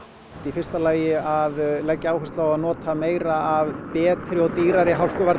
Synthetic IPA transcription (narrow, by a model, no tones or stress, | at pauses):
t̪ifɪrst̪alaːjɪaðlɛcːaawhɛst̪lawaðnɔːt̪ʰameːjɾaavpɛːt̪ɾɪɔɣt̪iːɾaɾɪɦawkʏvaɾ